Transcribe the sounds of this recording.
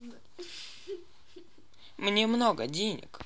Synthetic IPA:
mnʲemnoɡədʲenʲɪ̰k

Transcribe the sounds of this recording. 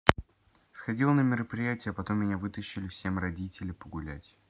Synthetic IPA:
sxɐdʲilˠənəmʲɪɾəpɾʲɪjætʲɪjəpɐt̪o̞mːʲɪnʲavɨt̪əɕːɪlʲɪfsʲe̞mrɐdʲitʲɪlʲɪpəɡʊlʲæ̰tʲ

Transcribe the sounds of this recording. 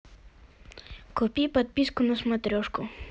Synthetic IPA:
kopipat̪̚piskunusmɐt̪ɾʲoʂko

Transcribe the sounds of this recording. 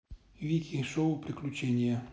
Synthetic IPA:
vʲikʲiʂoʊpɾʲɪklʲʊt͡ɕenʲɪjə

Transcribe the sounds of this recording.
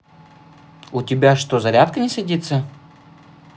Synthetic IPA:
ʊtʲɪbʲaʂt̪ozɐɾʲat̪kənʲɪsʲɐdʲit̪sə

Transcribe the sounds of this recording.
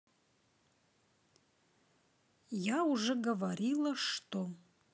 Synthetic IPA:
jauʐɛɡɐvaɾilˠɐʂt̪ʼo

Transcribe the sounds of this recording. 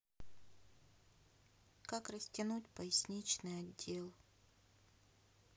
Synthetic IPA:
kakrəsʲtʲɪnutʲpəɪsʲnʲit͡ɕnɨjɐdʲːe̞lˠ

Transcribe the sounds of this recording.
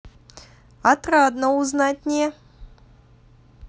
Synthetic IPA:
ɐt̪rad̪nəʊznatʲnʲe

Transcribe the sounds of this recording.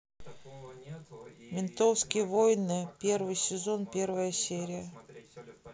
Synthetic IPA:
mʲɪnt̪ofskʲɪjəvojnɨpʲe̞rvɨjsʲɪzonpʲe̞rvəjəsʲeɾʲɪjə

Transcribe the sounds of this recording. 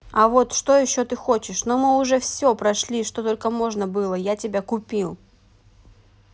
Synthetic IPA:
ɐvo̞t̪ʂt̪o̞jɪɕːo̞t̪ɨxo̞t͡ɕɪʂnomɨʊʐɛfsʲopɾɐʂlʲiʂt̪ot̪o̞lʲkəmo̞ʐnəbɨlˠəjatʲɪbʲakʊpʲilˠ

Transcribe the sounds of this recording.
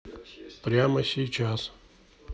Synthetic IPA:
pɾʲamɐsʲiːt͡ɕaːs

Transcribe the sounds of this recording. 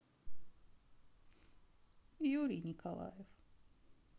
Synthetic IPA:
juɾʲinʲikʰolˠɑ̰jef

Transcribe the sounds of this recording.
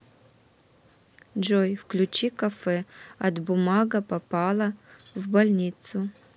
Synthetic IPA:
d͡ʒojfklʲut͡ʃikafɛɐt̪bumaɡɐpapalˠɐvbalʲnʲit̪sʊ

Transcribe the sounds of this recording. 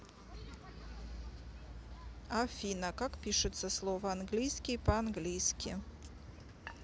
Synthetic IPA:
afʲinɐkakpʲiʂɨt̪səslˠɔvɐanɡlʲijskʲɪpɐanɡlʲijskʲɪ

